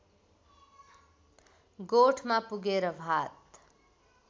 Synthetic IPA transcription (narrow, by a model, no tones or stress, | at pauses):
ɡoʈʰmapuɡeɾʌbʱat̪